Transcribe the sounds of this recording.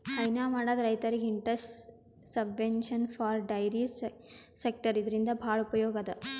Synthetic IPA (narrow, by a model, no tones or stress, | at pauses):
ɐjnaːmaːɽɐd̪ɐɾɐjt̪ɐɾiɡiɳʈɐsʈ | sɐbʋenʃɐnfʰaːɾɖɐjɾiː | sek̚ʈɐɾid̪ɐɾind̪ɐbʱaːɭupɐjɔːɡɐd̪ɐ